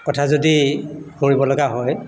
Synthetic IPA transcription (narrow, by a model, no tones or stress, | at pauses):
kɔtʰazodihoɹibɔlɔɡaɦɔj